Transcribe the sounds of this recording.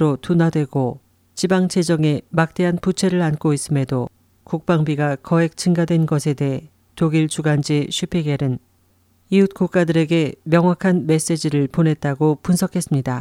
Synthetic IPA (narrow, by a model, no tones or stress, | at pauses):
ɾotunadwe̞ɡo | t͡ɕibaŋt͡ɕʰe̞d͡ʑʌŋe̞mak̚t͈e̞ɦanput͡ɕʰe̞ɾɯɭank͈ois͈ɯme̞do | kuk̚p͈aŋbiɡakʌe̞k̚t͡ɕʰɯŋɡadwe̞nɡʌsʰe̞de̞ɦe | toɡiɭt͡ɕuɡand͡ʑiɕʰɥipʰeɡeɾɯn | iut̚k͈uk͈adɯɾe̞ɡe̞mjʌŋɦwakʰanme̞s͈e̞d͡ʑiɾɯɭponɦe̞t̚t͈aɡopunsʰʌkʰe̞s͈ɯmɲida